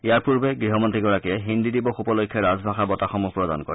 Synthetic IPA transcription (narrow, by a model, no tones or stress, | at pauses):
ijaɹpuɹbɛɡɹiɦɔmɔntɹiɡɔɹakiɛɦind̪id̪ibɔxupɔlojkʰːjɔɹazbʱaxabɔtaxɔmupɹɔda̰nkɔ̰ɹɛ